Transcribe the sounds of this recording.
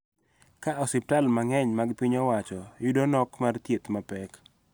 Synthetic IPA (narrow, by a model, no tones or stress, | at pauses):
kaʔɔsɪp̚talmaŋɛɲmaɡpiɲɔwat͡ʃɔjʊdonɔkmart̪jet̪mapɛk